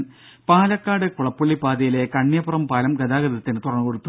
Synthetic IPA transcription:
paːlɐkːaːɽɨkuɭɐpːuɭːipaːd̪ɐjile̞kɐɳːjɐburɐmpaːlɐmɡɐd̪aːɡɐðɐt̪ːinɨt̪urɐŋːɨkoɽut̪ːu

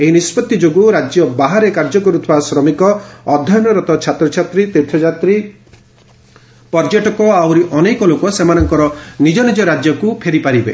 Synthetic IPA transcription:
eɦinispɔt̪ːid͡ʒoɡuɾad͡ʒjɔbaɦaɾekaɾd͡ʒɔkɔɾut̪ʰibasɾɔmikɔɔd̪ʱːɔjɔnɔɾɔt̪ɔt͡ʃʰat̪ɾɔt͡ʃʰat̪ɾit̪et̪ʰɔd͡ʒat̪ɾi | pɔɾd͡ʒeʈɔkɔawɾiʔɔnekɔlokɔsemanɔŋkɔɾɔnid͡ʒɔnid͡ʒɔɾad͡ʒjɔkupʰeɾipaɾibe

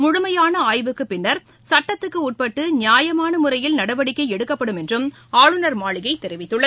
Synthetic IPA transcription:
mʊɻʊmɐjaːnɐaːjʋɯkːɯpɪnːɐɾ | sɐʈːɐt̪ːɯkːɯuːʈ̚pɐʈːɯnɪjaːjɐmaːnɐmʊrɐjɪlnɐɽɐʋɐɽɪkːɐɪɛɽɯkːɐpːɐɽɯmɛndrɯm | aːɭɯnɐɾmaːɭɪɣɐɪt̪ːɛɾɪʋɪt̪ːɯɭːɐ

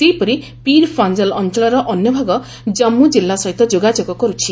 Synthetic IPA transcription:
t̪ejpɔɾi | piɾpʰand͡ʒalɔnt͡ʃɔlɔɾɔʔɔnjɔbʱaɡɔ | d͡ʒɔmːud͡ʒilːasɔɦit̪ɔd͡ʒoɡad͡ʒoɡɔkɔɾut͡ʃʰi

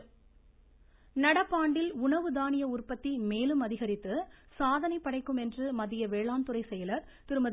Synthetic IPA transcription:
nɐɽɐpːaːɳɖɪlʊɳɐʋɯd̪aːnɪjɐʊrpɐt̪ːimeːlɯmɐðɪɣɐɾɪt̪ːɯsaːðɐnɐɪpːɐɽɐɪkːɯmɛndrɯmɐðɪjɐʋeːɭaːnt̪ɯrɐɪsɛjɐlɐɾ | t̪ɪɾɯmɐð

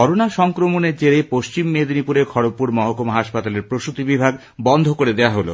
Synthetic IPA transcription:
ɔɾonaʃɔŋkɾomoneɾt͡ɕeɾepoʃt͡ɕimːed̪nipuɾekʰɔɽopːuɾmɔɦokomɦaʃpat̪aleɾpɾoʃut̪ibibʱaɡ | bɔnd̪ʱokoɾed̪eoaɦolo̰

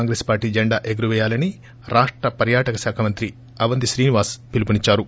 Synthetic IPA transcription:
ŋɡɾeːspaːɾʈiːd͡ʒeɳɖaːʔeɡɾuʋɛːjaːlɐni | ɾʔaːʂʈɾɐpɐɾjaːʈɐkɐsaːkʰɐmɐnt̪ɾi | ɐʋɐnd̪iʃɾiːniʋaːspilupunit͡ʃːaːɾu

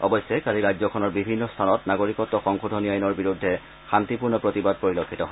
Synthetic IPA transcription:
ɔ̰bɔjsɛkaliɹazɔkʰɔnɔɹbibʱinːɔstʰanɔtnaɡoɹikɔtːɔxɔŋkʰudʱoniajnɔɹbiɹudʱːɛ | xantipuɹnɔpɹotibad̚poɹilokʰːitɔɦɔ

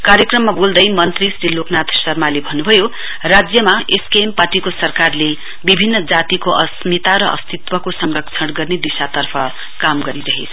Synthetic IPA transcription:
kaɾjʌkrʌmːabold̪ʌjmʌnt̪risɾiloknat̪sʌrmalebʱʌnːubʱʌjo | rad͡zjʌmaeskeemparʈikosʌrkarle | bibʱinːʌd͡zat̪ikoʔʌsmit̪aɾʌʔʌ̰st̪it̪wʌkosʌŋlʌkt͡sʰʌɽɡʌrned̪isat̪ʌrpʰʌ | kamɡʌɾiɾʌɦḛt͡sʰʌ

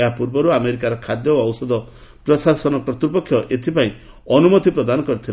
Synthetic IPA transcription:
ɦapuɾbɔɾuameɾikaɾɔkʰad̪jɔɔwsɔd̪ɔ | pɾɔsasɔnɔpɾɔt̪ɾupɔkʰːjɔʔet̪ʰipaĩ | ɔnumɔt̪ipɾɔd̪anɔkɔɾit̪ʰil

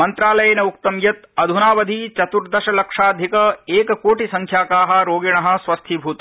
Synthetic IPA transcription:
mɐnt̪ɾaːlɐjɐnɐuk̚t̪ɐmjɐt̪ɐd̪ʱunaːʋɐd̪ʱit͡ʃɐt̪uɾd̪ɐʃɐlɐkʂaːd̪ʱikɐeːkɐkoːʈisɐŋkʰjaːkaːɦɐ̆ɾoːɡiɳɐɦɐ̆sʋɐst̪ʰibʱuːt̪ɐ

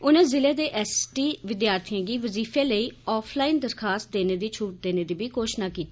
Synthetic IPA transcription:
ʊnẽːzɪleːd̪eːʔɛːsʈiːʋɪd̪jaːɾt̪ʰɪjãːɡiːʋəziːfʰẽːləiːɔːpʰlaːiːnd̪əɾkʰaːst̪̚d̪eːneːd̪iːt͡ʃʰuːʈ̚d̪eːneːd̪iːbiːkoːʃnaːkiːt̪iː

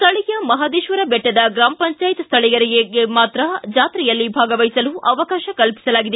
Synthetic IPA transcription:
st̪ʰɐɭijɐmɐɦaːd̪iːʃʋɐɾɐbɛʈːɐd̪ɐɡɾaːmɐpɐɲt͡ʃaːjt̪ɐst̪ʰɐɭijɐɾiɡeɡemaːt̪ɾɐd͡ʒaːt̪ɾɛjɐlːibʱaːɡɐʋɐjisɐluʔɐʋɐkaːʃɐkɐlpi̥sɐlaːɡid̪e

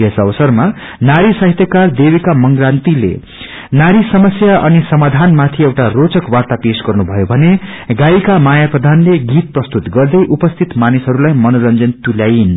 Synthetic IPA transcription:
ʌsʌbʌsʌrma | naɾisʌɦit̪jʌkard̪ebikamʌŋɡrant̪ilḛ | naɾisʌmʌsjaʔʌnisʌmad̪ʱanmat̪ʰiewʈarot͡sʌkwart̪apesɡʌrnubʱʌjobʱʌneɡaikamajaprʌd̪ʱanleɡit̪̚prʌst̪ut̪ɡʌrd̪ʌjʔupʌst̪ʰit̪manisɦʌɾulajmʌnoɾʌnd͡zʌnt̪uljajin

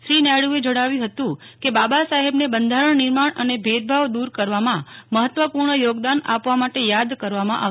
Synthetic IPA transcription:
ʃɾinɛɽued͡ʒəɽaʋjũɦət̪ũkebabasaɦebnebənd̪ʱaɾəɳnɪɾmaɳənebʱed̪̚bʱaʋd̪uɾkəɾʋamãməɦət̪ʋəpuɾɳəjoɡd̪ana̰pʋamaʈejad̪kəɾʋamãʔa̰ʋ

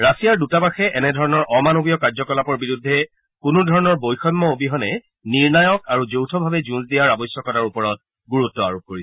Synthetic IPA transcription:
ɹasijaɹdutabaxɛʔɛnɛdʱɔɹɔnɔɹʔɔmanobijɔkaɹzɔkɔlapɔɹbiɹudʱːɛ | kunʊdʱɔɹɔnɔɹbojxɔjmːɔobiɦɔnɛ | niɹnajɔkaɹuzowtʰɔbʱabɛzũnsdijaɹabɔsjɔkɔtaɹupɔɹɔt̚ | ɡuɹutːɔa̰ɹop̚koɹisɛ

